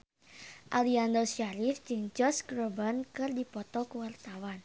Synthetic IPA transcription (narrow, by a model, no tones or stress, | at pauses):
ʔaliand̪ɔsaɾifd͡ʒɨŋd͡ʒɔsɡɾobankɨrdipɔt̪ɔkəwart̪awan